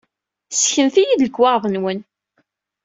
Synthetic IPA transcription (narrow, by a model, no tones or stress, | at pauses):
sçəmθijid̪ləkːwɑɾˤðˤənwən